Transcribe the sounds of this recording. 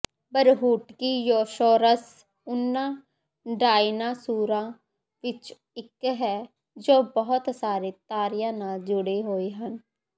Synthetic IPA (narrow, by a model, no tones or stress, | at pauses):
bəɾɦuːʈkiːjoːʃoːɾəs | ʊnːãː | ɖaːinãːsuːɾãː | ʋɪt͡ʃ | ɪkɦɛː | d͡ʒoːbəɦʊt̪saːɾeːt̪aːɾɪjãːnaːld͡ʒʊɽeːɦoːeːɦən